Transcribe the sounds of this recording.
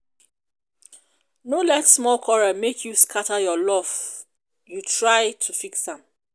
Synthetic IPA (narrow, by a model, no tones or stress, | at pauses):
nolɛtsmɔlkʰɔɹamekʰjuskʰatəjɔlɔf | jutʰɹaɪtʰufiksãm